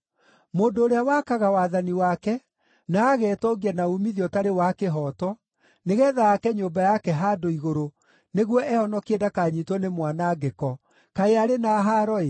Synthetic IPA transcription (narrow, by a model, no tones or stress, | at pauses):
moːndoːɾeawakaɣawaðaniwakɛ | naːɣɛːtɔɡiɛnaumiðiɔtaɾewakeɦɔːtɔ | neɣɛːðaːkɛɲoːmbajakɛɦaːdoiɣoɾo | neɣwɔʔɛhɔnɔkiɛdakaɲitwɔnemwanaɡekɔ | kaeaɾenaɦaːɾɔe